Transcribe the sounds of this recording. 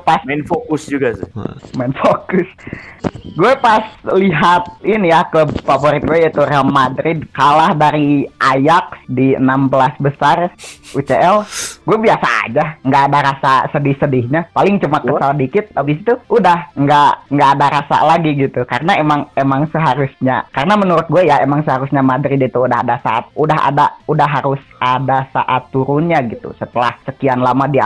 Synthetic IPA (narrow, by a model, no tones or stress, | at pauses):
pasanfokʊsd͡ʒuɡasɪmaɪnfokʊs | ɡuɛpasliɦat̪̚inijakəbfavoɾɪt̪̚ɡuɛit̪urɛlmadɾɪd̚kalahdaɾiʔajak̚diə̰nambəlasbəsarut͡ʃeʔɛlɡuɛbiasaa̰d͡ʒaŋɡaːdaɾasasədɪhsədɪhɲapalɪŋt͡ʃumakəsaldikɪt̪̚labis̬i̥t̪uʔudahŋɡaŋɡaʔːdaɾasa̰laɡiɡit̪ukarənaemaŋemaŋsəɦaɾʊsɲa̰karənamənuɾʊt̪̚ɡuajaemaŋsəɦaɾʊsɲamadɾidt̪uːdaɦa̰dasa̰a̰t̪̚udaɦa̰daudahɦaɾʊsadasa̰ʔat̪ːuɾʊnɲaɡit̪ṵsət̪əla̰hsəkianlamadia